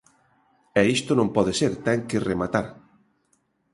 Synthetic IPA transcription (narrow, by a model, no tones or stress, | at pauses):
ɛist̪onõmpɔðɪseɾt̪ɛŋkɪremat̪aɾ